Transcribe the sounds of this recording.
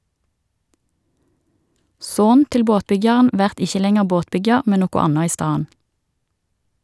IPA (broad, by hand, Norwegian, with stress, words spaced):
ˈsoːn ˈtɪl ˈboːtˌbʏɡjɑʁn ˈʋæʁt ˈɪçə ˈlɛŋəʁ ˈboːtˌbʏɡjɑʁ ˈmɛn ˈnoːkɔ ˈɑnɑ ˈiː ˈstɑːən